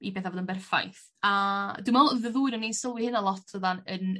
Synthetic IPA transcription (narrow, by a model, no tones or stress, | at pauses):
ibeːθavoːdənbɛrfa̰jθ | ad̥wɨmaɔlˠðəðuːɨnɔninsəwɨhɪnalˠɔtʰəðanən